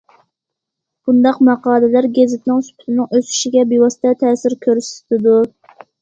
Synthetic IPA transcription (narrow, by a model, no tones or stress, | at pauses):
b̥und̪ɑqmɑqɑːlɨlæɾɡʲezɪt̪ɪnɪŋsy̥pʰy̥t̪ɪnɪŋøsy̥ʃiɡʲɛbiwɑst̪ʰɛt̪ʰɛːsɪɾkʲʰøɾst̪ʰɪd̪u